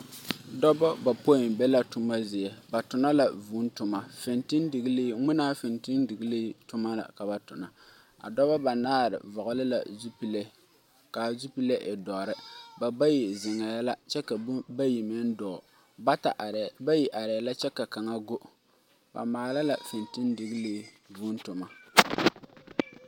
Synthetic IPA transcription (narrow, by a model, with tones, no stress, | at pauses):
dɔ˦ba˦ba˨po˦ɪ˨m˨bɛ˦la˨tʊ˦ma˦zɪ˨jɛ˨ba˨tʊ˨na˦la˨vu˨˦n˦tʊ˨ma˨fɪ˨ntɪ˦ndɪ˨ɡɨ˦li˦ŋɪ˦naː˦fɪ˨ntɪ˦ndɨ˨ɡɨ˦lɪ˦tʊ˦ma˦la̰˨ka˨ba˨tʊ˨na˨ | a̰˨dɔ˦ba˦ba˨naː˦ɾɪ̰˨vʊ˨ʔʊ˨lɪ˦la̰˨zu˦pi˦le˦ | ka˨zu˦pi˦le˦ʔe˨dɔ˨ɾɪ˦ba˨ba˦ji˨zɪ˨ŋa˨ja˦la˦t͡ʃɛ˦ka˨bba˦ji˨mɪ˦n˦dɔː˨ | ba˦ta˨ʔba˦ji˨ʔa˨ɾɛ˨a˨la˦t͡ʃɛ˦ka˨ka˨ŋa˦ɡo˦ʔ | ba̰˨maː˨la˦la˨fɪ˨ntɪ˦ndɨ˨ɡɨ˦li˦ | vuː˦n˦tʊ˨ma˨